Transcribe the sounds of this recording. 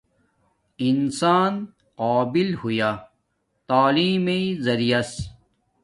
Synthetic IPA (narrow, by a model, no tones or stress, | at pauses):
insaːn | qaːbilhujaː | t̪aːliːmezɐɾijɐs